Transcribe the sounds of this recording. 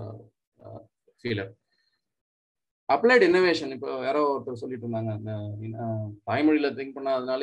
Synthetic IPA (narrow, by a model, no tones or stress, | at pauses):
fiːlɐɾ | ɐpːleːʈɪnɐʋeːʂɐnɪpːoːeːɾoːɐɾt̪ːɪlsɔlːɪʈːɾɯnd̪aːŋɡɐnd̪ɐɪnpɐːɪmɐɽilɐt̪ɪŋk̚pɐɳːaːɐðɐnaːl